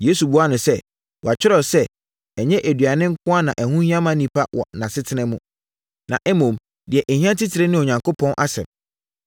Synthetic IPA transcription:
je˦su˨bu˦a˦nʊ̃˨sɛ˦ | wɔ˨a˨t͡ɕᶣɪ˦ɾɔ˦sɛ˦ | ɛ˨ɲɛ̃˦ʔæ˨dɥa˨nɪ̃˦ŋ̩˦kʰʊ̃˦a˦nã˨ʔæ˨hũ˦hĩ˦ã˦mã˦nĩ˨pʰa˦wɔ̰˨nã˨sɪ˦tʰɪ˦nɪ̃˦mũ˦ | nã̰˨ʔɛ˦mõ˨m | dɪ˨ɛ˨ʔɛ˨hĩ˦ã˦tʰɪ˦tʰɪ˨ɾe˦nɪ̃˦ɔ˨ɲã˨ŋko˦pʰɔ̃˦nʔa˦sɛ̰̃˨m

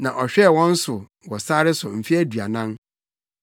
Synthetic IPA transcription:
nã˨ʔɔ˨ɕᶣɛ˦˨wɔ̃˦n̩˦sʊ˨ | wɔ˨saː˦ɾɪ˦sʊ˨m̩˨fi˦æ˦dɥa˨nã˦n

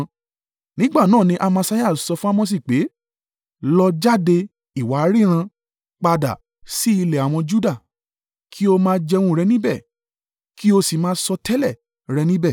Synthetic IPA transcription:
nĩ˨˦ɡ͡ba˦˨nãː˦˨nĩ˧ʔa˧mã˧sa˧˦ja˦˨sɔ˧fũ˦a˦˧m̃wɔ̃˧s̬i˦˨k͡pe˨˦ | lɔ˧d͡ʒa˦de˧ | i˨wa˨˦ɾi˦ɾ̃ã˧ | k͡pa˧da̰˨ | si˦i˧lɛ˨a˨w̃ɔ̃˧d͡ʒu˦da˦˨ | kʰi˦o˧mãː˦d͡ʒɛ˧wũ˧˦˧ɾɛ˧nĩ˦bɛ˦˨ | ki˦o˧si˨mãː˦sɔ˧tʰɛ˦lɛ˦˨ | ɾɛ˧nĩ˦bɛ˦˨

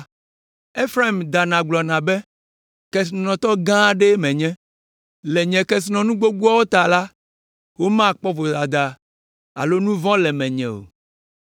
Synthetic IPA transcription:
e˦fɾa˦i˨md̪a˨nã˨ɡ͡blɔ˨nã˨bɛ˦ | kɛ˨s̬i˨nɔ̃˨t̪ɔ˦ɡã˦ɖe˦mɛ̃˨ɲɛ̃˦ | lɛ˨ɲɛ̃˨kɛ˦s̬i˦nɔ̃˨nũ˦ɡ͡bo˦ɡ͡bu˦a˦wo˦t̪a˨la˦ | wo˦mã˦˨k͡pɔ˦vo˨da˨d̪a˨ | a̰˨lo˦nũ˦vɔ̃˦lɛ˨mɛ̃˨ɲɛ̰̃˨o̰˨

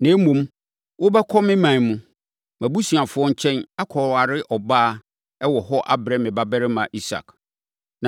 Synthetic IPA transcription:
nã˨˦mũ˨m | wʊ˦bɛ˦kʰɔ˦mɪ̃˦mã˨n˨mũ˦ | mæ̃˨bu˦si˨a˨fʊ˦ɔ˦ɲ̩˦t͡ɕʰɛ̃˦na˦kʰɔ˨ɾa˨ɾɪ˦ʔɔ˨baː˦˨ | ɛ˦wɔ˨hɔ˦ʔa˦bɾɛ̃˦mɪ̃˨ba˦bɛ˦ɾɪ˦mã˨ʔi˦sa̰˨k | nã˨

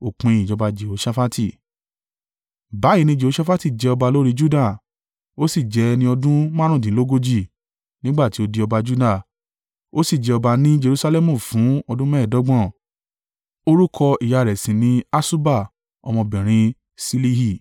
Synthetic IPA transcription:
o˨k͡pẽ˨ĩ˨d͡ʒɔ˧ba˧d͡ʒe˨o˨˦ʃa˦fa˦tʰi˦˨ | ba˨˦i˨˧˦nĩ˧˦d͡ʒe˨o˨˦ʃa˦fa˦ti˦˨d͡ʒɛ˨˧ɔ˧ba˧lo˦ɾi˦˧d͡ʒu˦da˦˨ | o˦si˦˨d͡ʒɛ˧˦nĩ˧ɔ˧dũ˦mã˦ɾ̃ũ˦˨dĩ˨˦lo˦ɡo˦d͡ʒi˦˨ | nĩ˦ɡ͡ba˦˨ti˨˦o˧de˧˦ɔ˧ba˧d͡ʒu˦da˦˨ | o˦si˦˨d͡ʒɛ˧ɔ˧ba˧nĩ˦d͡ʒe˧ɾu˧sa˧lɛ˦mũ˦˨fũ˨˦ɔ˧dũ˦mɛ˦˨dɔ˨˦ɡ͡bɔ̃˦˨ | o˦ɾu˦kʰɔ˧i˨ja˨˧˨ɾɛ˨sĩ˨nĩ˨˦a˦su˦ba˦˨ | ɔ̰˧mɔ̃˧bɛ̃˨ɾ̃ĩ˧ | si˦li˦hi˦˨

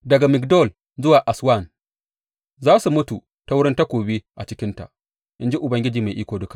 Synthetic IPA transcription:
dɐ˨ɡa˨mɪ˨kdɔ˦˨l | zʊ˦waː˨ʔa˨swa˦˨n | zaː˦su˨mʊ˦tu˨ | ta˦wʊ˦ɽɪ˦nta˦kʷoː˨be˦ʔa˨t͡ʃɪ˦kʲɪ˦nta̰˨ʔ | ʔɪ˦nd͡ʒi˦ʔʊ˨bɐ˦ŋɡʲɪ˦d͡ʒiː˨ma˨ʔiː˦kʷoː˨dʊ˦kḁ˨ʔ

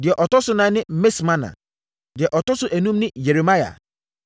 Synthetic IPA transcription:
dɪ˨ɛ˨ʔɔ˨tɔ˦sʊ˦nã˨˦nɪ̃˦me˦smã˦nã̰˨ | dɪ˨ɛ˨ʔɔ˨tɔ˦sʊ˦ʔæ˨nũ˦mnɪ̃˦je˨ɾe˨ma˦ja̰˨

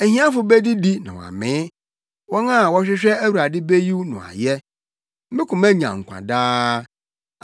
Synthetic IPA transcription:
ɛ˨ɦĩ˦ã˦fʊ˨bɛ˦di˦di˦nã̰˨wɔ̰˨a̰˨mɪ̃˨˦ | wɔ˦nã˦˨wɔ˦ɕᶣɪ˦ɕᶣɛ˦æ˦wu˨ɾa˨dɪ˦be˦ji˦wnʊ̰̃˨a̰˨jɛ˦ | mɪ̃˦kʰʊ̃˨mæ̃˦ɲã̰˨ŋ̩˨kʷʰã̰˨daː˦

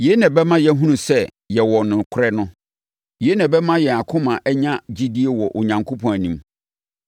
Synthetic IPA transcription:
je˨˦nã˨bɛ˦mã˦jɛ˦ɦũ˦nũ˨sɛ˦ | jɛ˨wɔ˨nɪ̃˨kʰʊ˦ɾɛ˦nʊ̃˦ | je˨˦nã˨bɛ˦mã˦jɛ˨a˨kʰʊ̃˦mã˨ʔɛ˦ɲã˦d͡ʑi˦di˦e˦wɔ˨ʔʊ˨ɲã˨ŋkʰo˦pʰɔ̃˨æ˨nĩ˦m

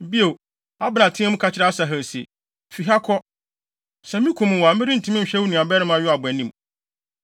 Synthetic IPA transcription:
bi˦o˨ | a˦bɾã˨tʰɪ̃˦ɛ˦mʊ̃˦kʰa˨t͡ɕʰɪ˦ɾɛ˦a˦sa˨ɦɛ̃˨sḛ˨ | fi˨ɦa˦kʰɔ˦ | sɛ˨mĩ˦kʷʰũ˨mʊ̃˨wa˨mɪ̃˦ɾi˦n̩˨tʰĩ˦mɪ̃˦˨ɕᶣɛ˦wu˦nĩ˨a˨bɛ˦ɾɪ˦m˦a˨ɥɔ˦a˨bʊ˨ɛ˨nĩ˦m

